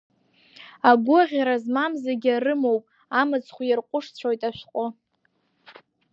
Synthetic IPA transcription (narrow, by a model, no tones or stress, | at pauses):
aɡʷʊʁʲaɾazmamzaɡʲarɨmo̞wpʼ | amɨt͡sʰʼχʷjɪrqʷʼʊʂt͡ɕʷʰojtʼaʃʷᶣqʷʼʊ